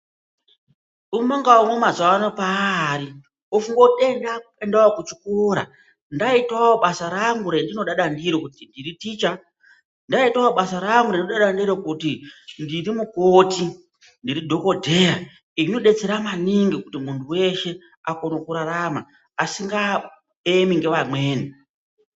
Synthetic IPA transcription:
umoŋɡaomomazawanopaɾi | ofuŋɡoɗendapendaokut͡ʃi̥kuɾa̰ | ndaitwawoɓasaɾaŋɡuɾendino̞ɗaɗandiɾikutindiɾitit͡ʃa | ndaitaoɓasaɾaŋɡuɾeninoɗaɗandiɾokutindiɾimukoti | ndiɾidʱo̞ko̞dʱe̞a | iino̞ɗe̞t͡se̞ɾamaniŋɡikutimuntʰuwe̞ʃe̞ | ako̞nokuɾaɾama̰ː | siŋɡa | emiŋɡe̞ʋamwe̞ːni

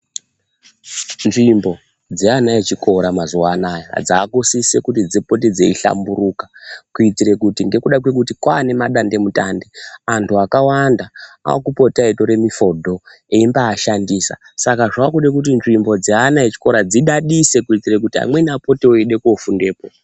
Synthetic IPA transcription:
nʐimbo̞ | d͡zeanaet͡ʃiko̞ɾamazuwanaja̰d͡zaːkosisekutid͡zipo̞ted͡zeiɬa̰mbuɾuːkḁkuit͡siɾe̞kutiŋɡe̞kuɗakwe̞k̬utikwaːne̞maɗande̞mutande̞antʰuakawandaa̰kupo̞taito̞ɾe̞mifo̞dʱo̞ | eimbaːʃandiːsa̰ | sakaʐakuɗek̬ut̬inʐimbo̞d͡zeanaet͡ʃi̥ko̞ɾad͡ziɗaɗise̞kuit͡sirek̬utia̰mwe̞napo̞teoeɗe̞kofunde̞ːpo

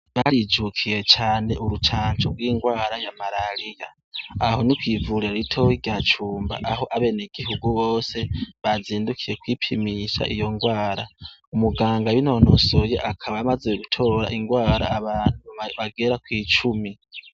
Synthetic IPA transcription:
βaɾid͡ʒukʰiɾe̞t͡ʃaːne̞ʔuɾut͡ʃaːɲt͡ʃoɾɡwiːŋɡwaːɾajamaɾaɾijaː | ho̞nikwivuɾiɾaɾitʰo̞wiɡjat͡ʃuːmba̰ʔaɦo̞ʔaβe̞ːneɡiɦuɡuβoːse̞βaziːndukʰiɾe̞kwipʰimiʃa̰ʔḭjo̞ŋɡwaːɾa̰umuɡaːŋɡawino̞nosoje̞ʔakʰaβaːmazeuɡutʰo̞ːɾa̰ʔiŋɡwaːɾa̰ːβaːn̥uβaɡeɾakwiːt͡ʃumi

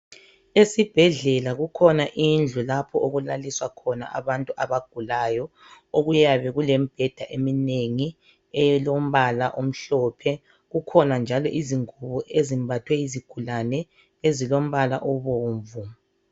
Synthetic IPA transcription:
esib̥ʱɛɮɛlaɣukʰɔnaʔind͡ɮʱulapʰɔʔoɣulaliswakʰɔna̰ʔa̰βantʼuʔaβaɡ̥̚ʱulajɔ | oɣujaβɛɣulɛm̩b̥ʱɛd̥ʱaʔemineŋi | ɛlom̩βalaʔom̩ɬɔːpʰɛ | ɣukʰɔnand͡ʒʱalɔʔiziŋuβɔʔezimbʱatʰwɛiziɡ̥ʱulanɛ | ezilom̩βalaʔɔβoːɱvu

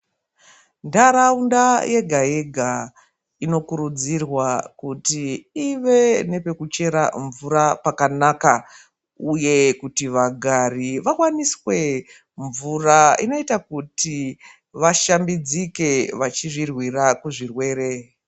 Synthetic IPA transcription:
ndaɾaundaje̞ɡʱaje̞ɡʱa | ino̞kuɾud͡zirwakutiːʋe̞ne̞pe̞kut͡ʃe̞ɾa̰ɱvuɾapakanaka | uje̞kutiʋaɡʱariʋakwaniswe̞ | ɱvuraḭno̞itakuti | ʋaʃambid͡zike̞ʋat͡ʃiʐirwirakuʐirwe̞ːɾe̞

